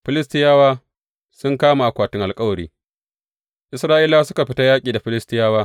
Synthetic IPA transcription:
ɸɪ˦lɪ˦stɪ˦jaː˦waː˦ | sʊ˦ŋkaː˦ma˨ʔa˨kʷaː˨tɪ˦ŋʔa˨lkʼɐ˦wɐ˨ɾḭː˦ | ʔɪ˨sɾaː˦ʔɪ˦laː˦sʊ˦ka˨ɸɪ˦ta˦jaː˦kʲʼiː˨da˨ɸɪ˦lɪ˦stɪ˦jaː˦waː˦

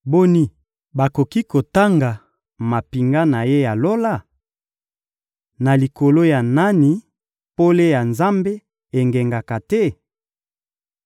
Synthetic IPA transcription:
bo˦ni˦ | ba˨ko˨ki˦ko˨ta˦ŋɡa˨ | ma˨pi˨ŋɡa˦na˨je˦ja˨lo˦la˦˨ | na˨li˨ko˨lo˦ja˨na˦ni˨ | po˦le˦ja˨nza˦mbe˦ | e˨ŋɡe˨ŋɡa˨ka˨tɛ˦

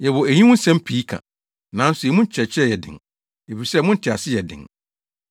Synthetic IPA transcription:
jɛ˨wɔ˨æ˨ɲĩ˦wʊ̃˦n̩˦sɛ̃˦m˦pʰi˨˦kʰã̰˨ | nã˨˦n̩˦sʊ˨ɛ˨mũ˦n˦t͡ɕʰɛ˨t͡ɕʰɛ˦˨jɛ˨dɪ̰̃˨ŋ | e˨fi˨sɛ˦mʊ̃˦n̩˦tʰɪ˨a˨sɪ˦jɛ˨dɪ̰̃˨ŋ

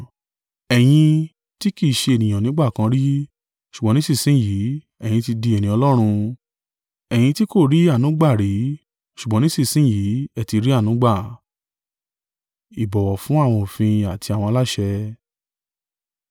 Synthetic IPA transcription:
ɛ˨j̃ĩ˧ | ti˦ki˦˨ʃe˧e˨nĩ˨j̃ã˨nĩ˨˦ɡ͡ba˦˨kã˧˦ɾi˦ | ʃu˨ɡ͡bɔ̃˨˦nĩ˦sĩ˦˨sĩ˨˦˨ji˨˦ | ɛ˨j̃ĩ˧ti˧di˧ɛ˨nĩ˨˦ɔ˧lɔ˦ɾ̃ũ˧ | ɛ˨j̃ĩ˧ti˦ko˦˨ɾi˨˦a˦˨nũ˨˦ɡ͡ba˦˨ɾi˨˦ | ʃu˨ɡ͡bɔ̃˨˦nĩ˦si˦˨sĩ˨˦˨jiː˨˦ɛ˦˨ti˧ɾi˦a˦˨nũ˨˦ɡ͡ba˦˨ | i˨bɔ˨wɔ˨fũ˨˦a˦˨w̃ɔ̃˧o˨fĩ˧a˨tʰi˧a˨w̃ɔ̃˧a˧la˦ʃɛ˧

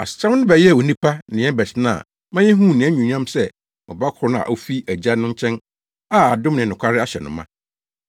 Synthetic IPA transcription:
a̰˨sɪ̥˨t͡ɕʰã˦mnʊ̃˦bɛ˨jɛ˦˨o˨nĩ˦pʰa˦nɪ̃˨ɛ̃˦bɛ˨t͡ɕʰɪ˦nã̰˨ | mã˦jɛ̃˦ɦũ˦˨nɪ̃˨æ˦ɲũ˨ɲã˦msɛ˦ | mʊ̰̃˨ba˦kʰʊ˨ɾʊ˦nãã̰˨ʔo˦fi˦ʔæ˨d͡ʑa˦nʊ̃˦ɲ˦t͡ɕʰɛ̃˦n | a˦˨a˨dʊ̃˦mnɪ̃˨nʊ̃˨kʷʰa˦ɾɪ˦a˦ɕɛ˨nʊ̰̃˨mːã̰˦

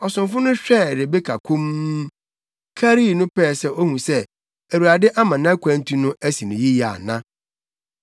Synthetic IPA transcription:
ɔ˨sʊ̃˨mfʊ˦nʊ̃˦ɕᶣɛ˦˨ɾe˨be˦kʰa˨kʰũ˦m˦ | kʰa˦ɾi˦˨nʊ̃˦pɛː˦˨sɛ˦o˦hũ˨sɛ˦ | æ˨wu˨ɾa˨dɪ˦ʔa˦mã˨nã˦kʷã˦n̩˦tʰu˦nʊ̃˦ʔæ˦si˨nʊ̃˨ji˦ja̰˨nã˦

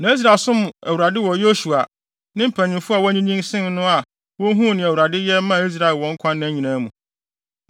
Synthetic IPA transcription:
nã˨˦i˦s̬ɾa˨sʊ̃˦m̃˨æ˨wu˨ɾa˨dɪ˦wɔ˨jo˦su˨a˨ | nɪ̃˦m̩˦˨pʰæ̃˨ɲɪ̃˨mfʊ˦a˨wɲĩ˦ɲĩ˦ŋsɪ̃˦n˦nʊ̃˦a˨ | wɔ˦ɦũ˦˨nɪ̃˨æ˨wu˨ɾa˨dɪ˦jɛ˦mã˦˨i˦s̬ɾa˨ɪ˨wɔ̃˨ŋ̩˦kʷʰã˦nːã˦ɲĩ˨nã˦mũ˨

